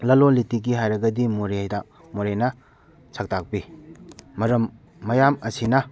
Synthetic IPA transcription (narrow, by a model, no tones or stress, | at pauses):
lɐlolitiɡiɦajɾɐɡɐdimoɾejda | moɾenɐ | sʰɐk̚tʰak̚pi | mɐɾɐmː | ɐjamɐsinɐ